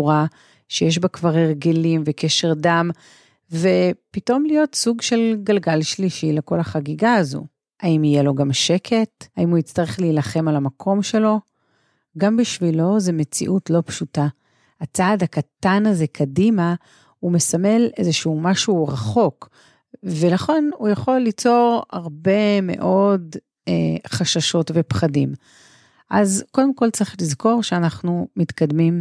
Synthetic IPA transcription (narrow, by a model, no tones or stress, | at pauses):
ʁa | ʃejeʃ̬bakvaʁeʁɡe̞limvekeʃe̞ʁdam | vepito̞mlijo̞tsuɡʃe̞lɡalɡalʃliʃileko̞laχaɡiɡaːzṵ | aimijelo̞ɡamʃe̞kʰe̞thaimuit͡staʁe̞χleilaχe̞malamakʰo̞mʃe̞lo̞ | ɡambiʃvilo̞zemet͡sḭʔutlo̞pʃuta | at͡saːdhakatanaze̞kʰadima | umesame̞le̞zeʃuːmaʃuʁaχo̞k | velaχe̞nujaχo̞lːit͡so̞ʁa̰ʁbe̞me̞̰ʔo̞d | eχaʃaʃo̞tvepχadim | ʔazko̞d̪e̞mko̞lt͡sʁiχlizko̞ʁʃeanaχnumitkad̪mim